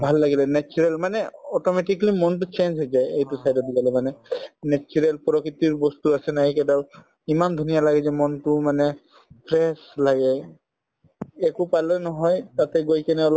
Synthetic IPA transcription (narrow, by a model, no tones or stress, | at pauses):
bʱalːaɡilɛnɛt͡ʃuɹɛlmanɛɔtɔmɛʈiklimɔntut͡ʃend͡ʒɦojzajejtusajdɔbiɡalɛmanɛnɛt͡ʃuɹɛlpɔɾɔkɹit̪iɹbɔst̪uasɛnaɦikɛdal | imamd̪ʱunijalaɡɛzɛmɔntumanɛ | pʰɹɛslaɡɛ | kupalɔnɔɦɔjt̪at̪ɛɡojkɛnɛɔlɔ